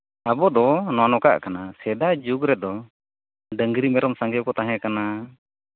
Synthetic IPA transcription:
abɔd̪ɔnɔwanɔka̰ʔkanasɛd̪ad͡ʒuɡɾɛd̪ɔ | ɖəŋɡɾimɛɾʔɔmsaŋɡɛwkɔt̪aɦɛ̃kana

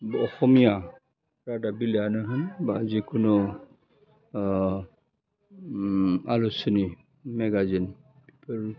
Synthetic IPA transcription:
bɔxɔmija | ɹadabilɛanaɦɯnbazikunu | alusɔni | mɛɡazin | pipɔl

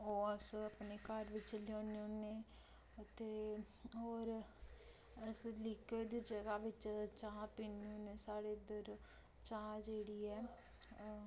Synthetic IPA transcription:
ɦoːəsəpneːkəɾʋɪt͡ʃloːneõːneː | t̪eː | ɔːɾ | əslɪkʰeːd̪id͡ʒəɡaːʋɪt͡ʃt͡ʃãːpiːnõːnẽːsaːɽeːd̪əɾ | t͡ʃãːd͡ʒeːɽiːɛː

